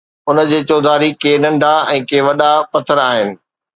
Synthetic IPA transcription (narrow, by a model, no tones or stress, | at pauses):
ʊnə̆d͡ʑeːt͡ɕɔːd̪ʱaːɾikeːnɐ̃ɳɖʱaɛ̃ːkeːʋɐɗapɐt̪ʰəɾaːɦɪnɪ̆